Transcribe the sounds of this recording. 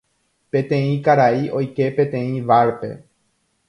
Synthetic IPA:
pẽ̞t̪ẽ̞ĩkaɾaiʔo̞jke̞pẽ̞t̪ẽ̞ĩʋaɾpe̞̰

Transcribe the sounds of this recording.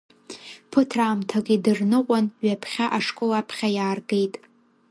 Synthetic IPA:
pʰɨtʰraːmtʰaɡʲʼidɨrnɨqʷʼanɥapʰχʲaʔaʂkʷʼolapʰχʲajaːrɡejtʼ

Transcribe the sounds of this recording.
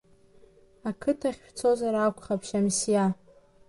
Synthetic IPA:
akʰɨtʰaχʲʃt͡sʰozaɾakʷχapʰʃamsja

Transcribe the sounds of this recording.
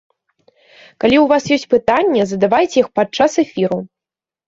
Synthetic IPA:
kalʲiwvasjɔsʲt͡sʲpɨt̪anʲːɛzɐd̪avajt͡sʲɛjixpat̪̚t͡ʂasɛfʲiɾu

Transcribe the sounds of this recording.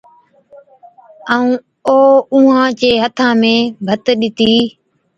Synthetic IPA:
əːũː | oːũːãːt͡ʃeːɦət̪ʰãːmẽːbʱət̪ɗɪt̪iː

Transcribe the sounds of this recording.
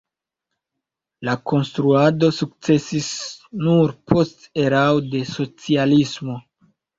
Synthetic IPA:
lako̞nstɾuado̞suk̚t͡se̞sisnuɾpʰo̞ste̞ɾawde̞so̞t͡sialismo̞

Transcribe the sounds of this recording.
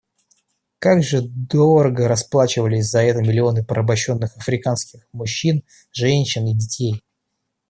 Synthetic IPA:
kaɡʐɨd̪oɾəɡəɾɐsplˠat͡ɕɪvəlʲɪs̬ʲzɐɛt̪əmʲɪlʲɪo̞nɨpəɾʔəbɐɕːo̞nːɨxɐfɾʲɪkanskʲɪxmʊɕːin | ʐɛnʲɕːɪnidʲɪtʲej

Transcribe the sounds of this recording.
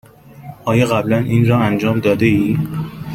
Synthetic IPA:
ʔɒːjɒɣæblænʔiːnɾɒːænd͡ʒɒːmd̪ɒːd̪eiː

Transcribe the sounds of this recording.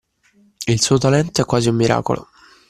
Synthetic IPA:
ilsuːot̪alɛnt̪oɛkːwaːziumːiɾa̰ːko̰lʔo̰

